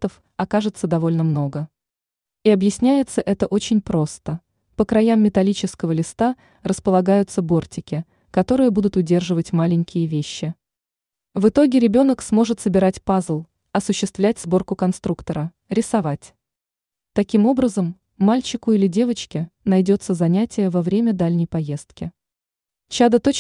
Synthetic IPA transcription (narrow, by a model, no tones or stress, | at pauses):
t̪əf | ɐkaʐɨt̪səd̪ɐvo̞lʲnəmno̞ɡə | iɐbjɪsʲnʲæjɪt̪səʔɛt̪əʔo̞t͡ɕɪnʲpɾo̞st̪ə | pəkɾɐjamːʲɪt̪ɐlʲit͡ɕɪskəvəlʲɪst̪a | rəspəlˠɐɡajʊt̪səbo̞rtʲɪkʲɪ | kɐt̪o̞ɾɨjəbud̪ʊt̪ʊdʲe̞rʐɨvətʲmalʲɪŋʲkʲɪjəvʲeɕːɪ | vɨt̪o̞ɡʲɪɾʲɪbʲo̞nəksmo̞ʐɨt̪səbʲɪɾatʲpazlˠ | ɐsʊɕːɪst̪vlʲætʲzbo̞rkʊkɐnst̪ɾukt̪əɾə | ɾʲɪsɐvatʲ | t̪ɐkʲimo̞bɾəzəmː | alʲt͡ɕɪkʊilʲɪdʲe̞vət͡ɕkʲɪnɐjdʲo̞t̪səzɐnʲætʲɪjəvɐvɾʲemʲəd̪alʲnʲɪjpɐje̞st̪kʲɪ | t͡ɕad̪ət̪o